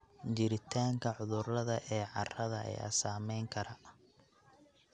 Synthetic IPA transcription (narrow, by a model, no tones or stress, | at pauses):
t͡ʃɪɾɪt̪ʰaːŋkʰɐʕʊðʊrlɐðɐʔɛːʕɑrɐðɐʔɛ̰jɐ̰saːmɛjŋkʰɐɾɐ